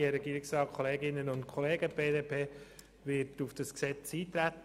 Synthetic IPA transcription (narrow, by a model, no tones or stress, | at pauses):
əɾɛɡiːɾɪksrɑːt̚kʰχoleːɡɪnːənʊntkʰχoleːɡəb̥eːdeːpʰeː | ʋɪɾtufd̥ɑsksɛt͡siːt̪ɾæt̪